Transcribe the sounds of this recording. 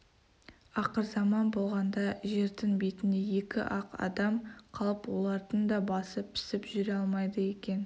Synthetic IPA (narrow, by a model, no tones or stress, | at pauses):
ɑqəɾzɑmɑnbo̞lˠʁɑnd̪ɑʒe̞ɾd̪ɪŋbe̞t̪ɪnd̪e̞je̞kʲɪ̰ʔɑqɑ̰d̪ɑmqʰɑlˠəpwo̞lˠɑɾd̪ənd̪ɑbɑsəp̚t̪ʰɪ̥sɪpʒʏɾeɑlˠmɑjd̪əe̞kʲe̞n